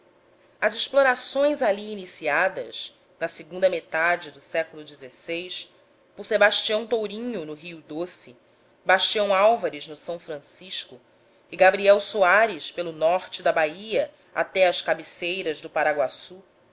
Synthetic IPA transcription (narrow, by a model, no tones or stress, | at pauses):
ɐzɪʃploɾasõj̃zaliːnisiad̪ɐ̰ʃ | nɐsɪɡũnd̪ɐmet̪ad͡ʒɪd̪ʊsɛkʊlʊd͡ʒɪzesejs | pʊɾsebaʃt͡ʃiɐ̃w̃t̪owɾĩɲʊnʊɦiud̪osɪ | baʃt͡ʃiɐ̃w̃awvaɾɪznʊsɐ̃w̃fɾɐ̃siʃkʊ | ɪɡabɾiɛwsuaɾɪʃpelʊnɔχt͡ʃɪd̪ɐbaiɐ | a̰t̪ɛɐʃkabisejɾɐzd̪ʊpaɾaɡwasu